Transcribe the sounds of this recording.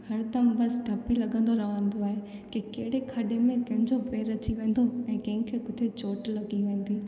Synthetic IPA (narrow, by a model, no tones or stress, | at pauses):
hɐɾt̪ɐ̃bɐsɖʱɐpilɐɠə̃n̆d̪oɾɐɦə̃nd̪oaːɦekekɐːɦɪɽekʰɐɗemẽkɐ̃ɦɪ̃ɲd͡ʑopeːɾɐt͡ɕiʋẽːn̆d̪oɛ̃ːkɐ̃ɦɪ̃kʰekʊt̪ʰet͡ɕoːʈlɐɡiʋẽːn̆d̪iː